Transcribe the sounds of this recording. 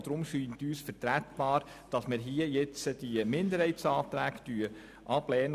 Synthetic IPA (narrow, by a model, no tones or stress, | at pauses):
d̥̪ɾʊmʃyːntyːsfəɾtɾætb̥ɑːɾ | d̥ɑsmɪɾɦiəjɛt͡səd̥imɪnd̪əɾhɛɪtsɑːt̪ɾæːɡtyə | ʔɑb̥lɛːnə